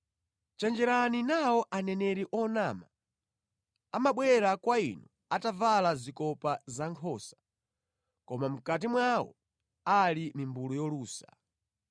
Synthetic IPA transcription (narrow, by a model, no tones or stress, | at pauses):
t͡ʃɛnd͡ʒɛɾaninawɔʔanɛnɛɾiʔɔnaːma | amaɓwɛɾakwaḭnu | atavalazikɔpazaŋkʰɔːsḁ | kɔmam̩kat̬imwawɔ̰ | alimimbulujɔluːsa̰